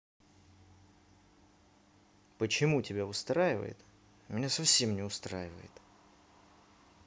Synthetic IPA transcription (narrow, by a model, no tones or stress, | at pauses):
pət͡ɕɪmutʲɪbʲaʊst̪ɾajɪvə̰jɪ̰t̪ | mʲɪnʲasɐfsʲe̞mnʲɪʊst̪ɾajɪvə̰jɪ̰t̪